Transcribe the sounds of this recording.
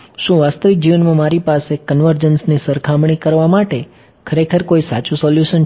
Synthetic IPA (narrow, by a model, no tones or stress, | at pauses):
ʃũʋast̪əʋik̚d͡ʒiʋənmãmaɾipasekənʋəɾd͡ʒənsnisəɾkʰamɳ̃ikəɾʋamaʈe | kʰəɾekʰəɾkoisa̰t͡ʃũsɔljuʃən